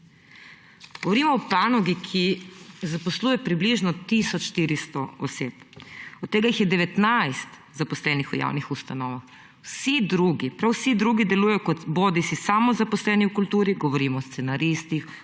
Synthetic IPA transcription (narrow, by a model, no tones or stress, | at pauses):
ɡ̥ɔʋɔɾiːmɔːpanɔɡikʰizapɔsluːjɛpɾibliʒnɔt̪isɔt͡ʃʃt̪iɾist̪ɔɔsḛːpɔt̪ːeːɡajixjɛd̪ɛʋɛt̪najst̪ | zapɔslɛnixɔja̰ːwnixust̪anɔːʋax | wsid̪ɾuːɡipɾawsid̪ɾuːɡid̪ɛluːjɛjɔkɔt̪boːd̪isisamɔzapɔslɛːniukult̪uːɾiɡɔʋɔɾiːmɔːst̪senaɾist̪ix